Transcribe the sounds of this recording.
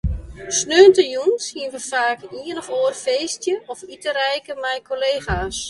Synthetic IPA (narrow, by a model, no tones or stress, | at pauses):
snøːntəjunsiənʋəfaːkiənɔfoːərfeːstjəʔɔfitəɾɛjkəmɛjkʰoleːxaːs